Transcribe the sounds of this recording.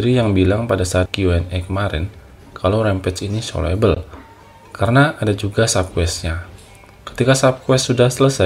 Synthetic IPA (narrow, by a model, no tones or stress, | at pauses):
ɾijaŋbilaŋpadasaːt̪̚kiuɛnɛkəmaɾɪ̰n | kʰalawɾɛmpɛt͡ʃiniso̰lɛ̰bəl | kaɾənaʔːdad͡ʒuɡasap̚kwɛs̚ɲa | kə̥t̪ikasap̚kwɛstːudahsələsa